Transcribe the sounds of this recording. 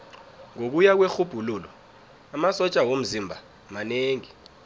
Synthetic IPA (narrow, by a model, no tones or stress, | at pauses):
ŋok̬ujak̬wexub̥ʱuluːlɔ | amasɔt͡ʃʼawom̩zimbʱa | maneːŋi